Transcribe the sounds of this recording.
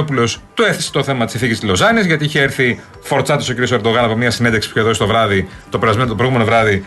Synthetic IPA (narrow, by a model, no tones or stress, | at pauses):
opulo̞st̪ueθeset̪o̞θe̞mɐt̪isinθicist̪izlozɐnizʝɐt̪iiçeeɾθi | fo̞ɾt͡sɐt̪isociɾio̞se̞ɾd̪o̞ɣɐnɐpo̞mɲɐsinend̪eksi̥pu̥çeðosi̥t̪o̞vɾɐðit̪o̞peɾɐzmenot̪opɾɣume̞novɾɐði